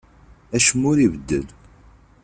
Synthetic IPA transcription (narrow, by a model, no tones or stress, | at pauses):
æʃəmːʊɾivəd̪ːə̰l